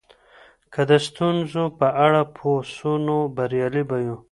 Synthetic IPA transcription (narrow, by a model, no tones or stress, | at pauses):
kad̪əst̪unzopəaɽapʰosunobaɾjɑlibajũ